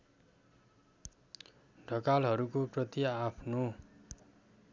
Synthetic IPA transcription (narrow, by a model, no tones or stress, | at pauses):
ɖʱʌkalɦʌɾukoprʌt̪jaapʰno